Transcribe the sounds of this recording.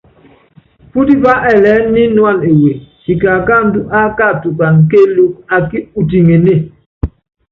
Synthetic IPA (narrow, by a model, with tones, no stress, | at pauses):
fu˦di˦va˦ʔɛ˨lɛ˨˦nːi˦nwa˦˨ne˨je˨hi˨ka˨ka˦n̩˦du˦ʔa˦ka˦˨tu˨ka˨ŋ̩˨ke˦lu˦ka˨ki˦u˨t̬i˨ŋe˨ne˦˨